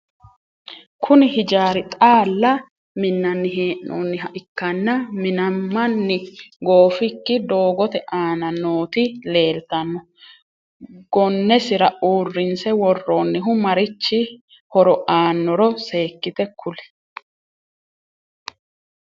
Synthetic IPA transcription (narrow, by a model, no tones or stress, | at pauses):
kʰʊnɪhɪd͡ʒaːɾɪt̪ʼaːlːɐ | mɪnːɐnːɪɦeːʔnoːnːɪɦɐʔɪkːɐnːɐmɪnɐmːɐnːɪɡo̞ːfɪkːɪd̪o̞ːɡɔt̪ɛʔaːnɐnoːt̪ɪle̞ːlt̪ɐnːɔ | ɡ̥ɔnːɛsɪɾɐʔuːrːɪnsɛwɔrːoːnːɪɦʊmɐɾɪt͡ʃːɪ | hɔɾɔʔaːnːɔɾɔse̞ːkːɪt̪ɛkʰʊlɛ̥